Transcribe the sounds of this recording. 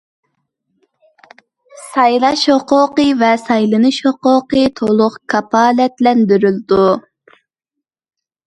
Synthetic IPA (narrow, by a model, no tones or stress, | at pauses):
sɑjlˠɑʃoqoqɨvɛsɑjlˠɨnɨʃoqoqɨt̪ʰolˠʊqkʰɑpʰɑːlɛt̪lɛnd̪yɾyld̪u